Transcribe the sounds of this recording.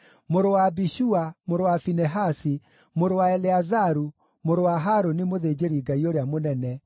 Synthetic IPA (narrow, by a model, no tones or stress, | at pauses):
moɾowabiʃuamoɾowafinɛɦasi | moɾowaɛleazaɾu | moɾowaɦaɾonimoðed͡ʑeɾiɡaioɾeamonɛnɛ